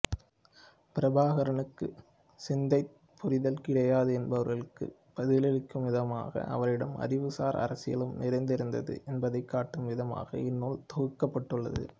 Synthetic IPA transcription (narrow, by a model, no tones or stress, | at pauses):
pɪɾɐbʱaːɣɐɾɐnɯkːɯ | sɪnd̪ɐɪ | pʰːʊɾɪðɐlkɪɽɐjaːðɯɛnbɐʋɐɾɣɐɭɯkːɯ̰ | pɐðɪlɪɻɪkːɯmʋɪðɐma̰ːɣɐ̰ʔɐ̰ʋɐɾɪɽɐmʔɐ̰ɾɪʋɯsa̰ːɾɐ̰ɾɐsɪjɐ̰lɯmnɪɾɐɪnd̪ɪɾɯnd̪ɐ̰ðɯ̰ʔɛnbɐðɐɪkːaːʈːɯmʋɪðɐma̰ːɣɐ̰ɪnːoːlt̪ʊɣɯkːɐpːɐʈːɯɭːɐ̰ðɯ̰